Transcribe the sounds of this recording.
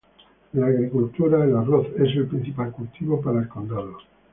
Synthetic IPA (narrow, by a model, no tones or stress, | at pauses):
laːɣɾikult̪uɾailaroθe̞s̬elpɾĩn̟θipalkult̪iβo̞paɾaeskond̪alo